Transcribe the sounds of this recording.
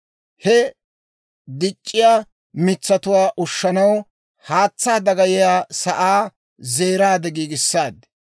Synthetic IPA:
hɛ | d̪ɪt͡ʃʼːɪjaː | mɪt͡sːɐt̪ʊwaːʔʊʃːɐnɐw | haːt͡sːaːd̪ɐɡɐjɪjaːsɐʔaː | ze̞ːɾaːd̪ɛɡiːɡɪsːaːd̪

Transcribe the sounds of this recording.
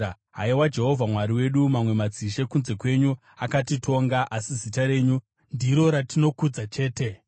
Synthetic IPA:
ɦaiwad͡ʒe̞ɦo̞vʱamwaɾiwe̞ɗumamwe̞mad͡ziʃe̞kunze̞kwe̞ɲu | akatitʰo̞ŋɡaʔasizitaɾe̞ːɲu | ndiɾo̞ɾatino̞kud͡zat͡ʃe̞ːte̞

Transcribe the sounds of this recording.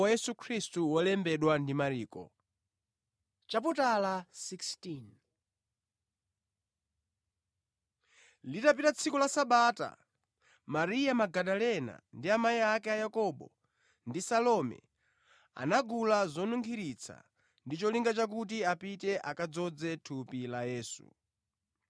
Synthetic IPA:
ajɛsukʰɾistuwɔlɛmbɛɗwandimaɾiːkɔ̰ | t͡ʃaputalasikstin | litapitat͡sʰikɔlasaɓaːta̰ | maɾijamaɡaɗalɛna̰ndiamaiakɛajakɔɓɔ̰ | ndisalɔmɛ̰ | a̰naɡulazɔnuŋkʰiɾit͡sʰa̰ | ndit͡ʃɔliŋɡat͡ʃak̬utiapitɛʔakad͡zɔd͡zɛtʰupilajɛːsṵ

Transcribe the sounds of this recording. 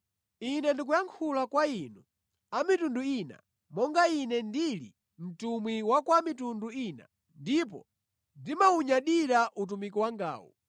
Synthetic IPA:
inɛndik̬ujaŋkʰulakwaiːnu | amitunduina̰ | mɔŋɡainɛndilḭ | m̩tumwiwakwamitunduina̰ | ndip̬ɔ̰ | ndimauɲaɗiɾaʔut̬umikiwaŋɡa̰ːwɔ̰

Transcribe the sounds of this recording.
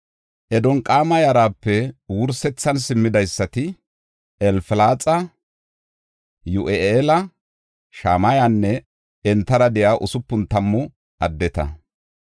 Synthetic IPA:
ʔɛd̪ɔŋkʼaːmɐjɐɾaːpːɛwʊɾsɛt͡sːɐnsɪmːɪd̪ɐjsːɐt̪ɪ | ɛlfɪlaːt͡sʼɐ | jʊʔeʔelɐ | ʃaːmɐjanːɛ | ɛnt̪ːɐɾɐd̪ɛjaːʔʊsʊpːʊnt̪ɐmːɔ | ɐd̪ːɛt̪ɐ̰

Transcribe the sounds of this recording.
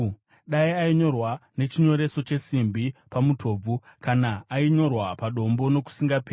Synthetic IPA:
ɗaiaiɲo̞rwane̞t͡ʃiɲo̞ɾe̞so̞t͡ʃe̞simbipamutʰo̞ːb͡vukanaːiɲo̞rwapaɗo̞mbo̞no̞ku̥siŋɡape

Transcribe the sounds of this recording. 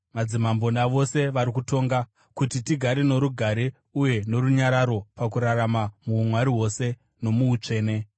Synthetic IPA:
mad͡zimambo̞ndaʋo̞se̞ʋaɾikuto̞ːŋɡa | kutitiɡʱaɾeno̞ɾuɡʱaɾe | uje̞no̞ɾuɲaɾaɾo̞pakuɾaɾamamuːmwaɾiɦo̞se̞ | no̞muut͡ʂe̞ːne̞

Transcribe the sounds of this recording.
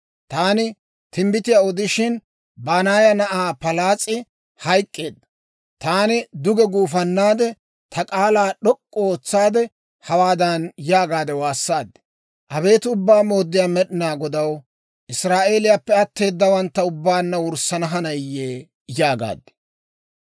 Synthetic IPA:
t̪aːnɪ | t̪ɪmbɪt̪ɪjaɔd̪ɪʃɪn | baːnaːjɐnɐʔaːpɐlaːt͡sʼːɪ | hɐjkʼːe̞ːd̪ɐ | t̪aːnɪd̪ʊɡɛɡuːfɐnːaːd̪ɛ | t̪ʰɐkʼaːlaːɗɔkʼːɔoːt͡sːaːd̪ɛ | hɐwaːd̪ɐnjaːɡaːd̪ɛwaːsːaːd̪ɛ̥ | ʔɐbe̞ːt̪ɪʊbːaːmo̞ːd̪ːɪjaːmɛɗɪnaːɡɔd̪ɐw | ʔɪsɾaːʔe̞ːlɪjapːɛɐt̪ːe̞ːd̪ːɐwɐnt̪ːɐʊbːaːnːɐwʊɾsɐnɐɦɐnɐjːeː | jaːɡa̰ːd̪ɛ̥

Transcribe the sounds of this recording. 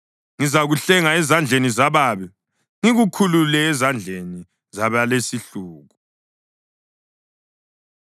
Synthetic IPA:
ŋizaɣuɬɛŋaɛzand͡ɮʱenizaβaːβi | ŋiɣukʰululɛːzand͡ɮʱeni | zaβalesiɬuːɣu

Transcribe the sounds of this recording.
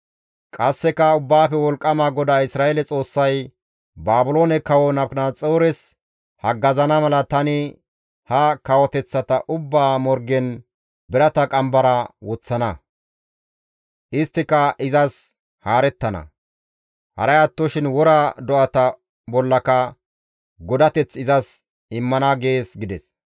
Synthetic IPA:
kʼɐsːɛkɐʊbːaːfɛwɔlkʼːɐmaːɡɔd̪aːɪsɾaːjeːlɛt͡sʼo̞ːsːɐj | baːbʊlo̞ːnɛkɐwɔnɐpknaːt͡sʼoːɾɛs | hɐɡɐzɐnɐmɐlɐt̪ɐnɪ | hɐkɐwɔt̪ɛt͡sːɐt̪ɐʔʊbːaːmɔɾɡɛn | bɪɾɐt̪ɐkʼɐmbɐɾɐwɔt͡sːɐnɐ | ʔɪst̪ːɪkɐɪzɐs | haːɾɛt̪ːɐnɐ̰ | hɐ̰ɾɐjɐt̪ːɔʃɪnwɔɾaːd̪ɔʔɐt̪ɐ | bɔlːɐkɐ | ɡɔd̪ɐt̪ɛt͡sːɪzɐs | ɪmːɐnɐɡe̞ːsɡɪd̪ɛs

